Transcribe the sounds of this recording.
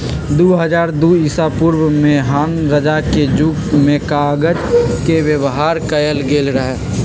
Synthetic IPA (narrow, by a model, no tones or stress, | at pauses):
d̪uːɦəd͡ʒaːɾd̪uːisapuɾwmẽɦaːnɾəd͡ʒaked͡ʒuːkmẽkaɡəd͡ʒkeʋjəʋɦaːɾkəjəlɡeːlɾəɦɛː